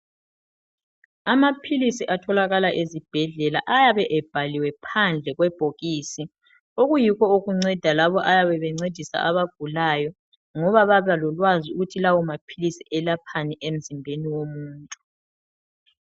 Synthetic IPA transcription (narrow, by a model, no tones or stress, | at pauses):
amapʰilisiʔatʰɔlaɣalaʔezib̥ʱɛɮɛlaʔajaβɛʔɛb̥ʱaliwɛpʰand͡ɮʱɛɣwɛb̥ʱoɣiːsi | oɣujiɣɔuɣuŋ͡ǀɛd̥ʱalaβɔʔajaβɛβɛŋ͡ǀed̥ʱisa̰aβaɡ̥ʱulajɔ | ŋɔβaβaβalɔlwaziuɣutʰilawɔmapʰilisiʔɛlapʰaniʔem̩zimbʱeniwomuːntʼu